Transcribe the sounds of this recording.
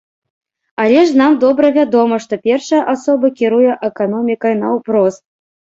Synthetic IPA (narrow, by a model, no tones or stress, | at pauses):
alʲɛʂnamd̪ɔbɾɐvʲad̪ɔmɐʂt̪ɔpʲɛrʂɐjɐʔasɔbɐkʲiɾujɛʔɛkanɔmʲikɐjnɐwpɾɔst̪